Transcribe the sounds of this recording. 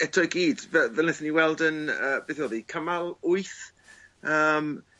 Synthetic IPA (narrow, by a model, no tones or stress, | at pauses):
ɛtʰɔɡiːd̥vɛvɛlnɪθniwɛlˠdənəːb̥eθɔðikʰəmalˠʊɨθ | əːm